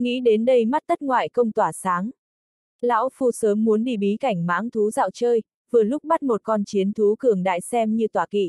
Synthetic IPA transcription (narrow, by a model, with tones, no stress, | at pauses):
ŋḭ˧˥ɗe˨˦nɗə˧jma˦˥t̚t̪ə˦˥t̚ŋwa̰ː˧˨jkə˧wŋ͡mt̪waː˧˩saː˨˦ŋ | la̰ː˧˥wfu˧səː˨˦mːu˨˦ənɗḭ˧˩ɓi˨˦ka˧˩jŋ̟ma̰ː˨˥ŋt̪ʰu˨˦za̰ː˧˨wt͡ɕəː˧j | vɨ˨˩əlʊ˦˥k͡p̚ɓa˦˥t̚mo˨˩t̚kɔ˧nt͡ɕi˨˦ənt̪ʰu˨˦kɨ˨˩əŋɗa̰ː˧˨jsɛ˧mɲɨ˧t̪waː˧˩kḭ˧˨